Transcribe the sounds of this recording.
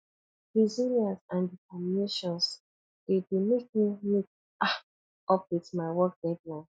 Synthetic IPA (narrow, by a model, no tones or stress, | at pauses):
ɹiziljãnsãnditɛmineʃɔ̃ns | d̥edemek̚miluk̚ | a | ɔp̚witmaɪwɔk̚dɛdlãn